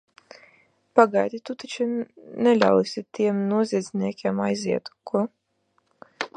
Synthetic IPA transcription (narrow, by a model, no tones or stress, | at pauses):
paɡajd̪ʲit̪ut̪at͡ʃunʲɛlʲa̰wisʲit̪iɛmnuɔzʲiɛd̪zʲniɛkʲiɛmajziɛt̪ku